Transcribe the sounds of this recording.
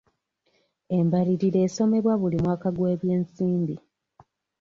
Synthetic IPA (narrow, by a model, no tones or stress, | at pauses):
e̞mbaliɾiɾe̞ːso̞me̞βwaβulimwaːkaɡwe̞ːβje̞ːnsiːmbi